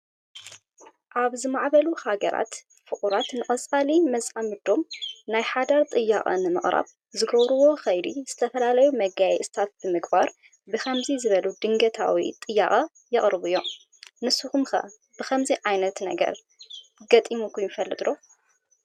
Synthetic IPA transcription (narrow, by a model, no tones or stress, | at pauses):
ʔaβzɨmaʕβɐluhaɡɐɾa̰t̪ | fɨχʼuɾat̪nɨχʼɐt͡sʼalimɐzʼamɨd̪o̞mnajħad̪aɾt̪ʼɨjːakʼɐ̰nɨmɨχʼɾa̰β | zɨɡɐβɾɨwo̞xɐjd̪iz̥ɨt̪ʰɐfɐlalɐjumɐɡajɛ̰st̪ʰat̪̚bɨmɨɡbaɾ | bɨxʰɐmzizɨβɐlud̪ɨŋɡɐt̪ʰa̰wḭt̪ʼɨjːaχʼɐ | jɨχʼɾɨβujːo̞ | nɨsuxumxɐ̰ | b̥ɨxʰɐmziʕajnɐt̪nɐɡɐ̰ɾ | ɡɐt̪ʼimukʰujɪfɐlːɨt̪ʼlo